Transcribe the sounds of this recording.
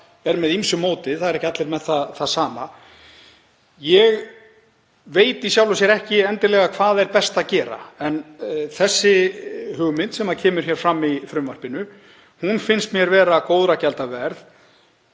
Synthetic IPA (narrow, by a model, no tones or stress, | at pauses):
ɛɾmɛðimsʏmːoːwt̪ɪðθaðɾɛhcːɪat̪lɪɾmɛðθaθasaːma | jɛɣ | veːjt̪isjawlʏsjɛɾɛhcɪɛnt̪ɪlɛɣakʰv̥aːðɛɾpɛst̪acɛːɾa̰ɛnθɛsːɪhʏɣmɪnt̪sɛmacʰɛːmʏɾ̥çɛːɾ̥fɾamːifɾʏmvar̥pɪnʏ | hunfɪnst̪mjɛɾvɛːɾakoːwðɾacɛlt̪avɛɾð